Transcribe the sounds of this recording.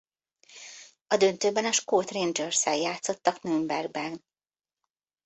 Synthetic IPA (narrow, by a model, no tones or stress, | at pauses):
ɒd̪ø̞nt̪øːbɛnɒʃkoːt̪rend͡ʒørsɛljaːt̪so̞t̪ːɒknømbɛrɡ̚bɛn